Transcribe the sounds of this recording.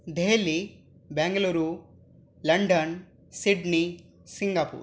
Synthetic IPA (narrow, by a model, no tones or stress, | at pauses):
d̪ʱeːli | beŋɡɐluːɾu | lɐɳɖɐn | siɖni | siŋɡapṵːɾ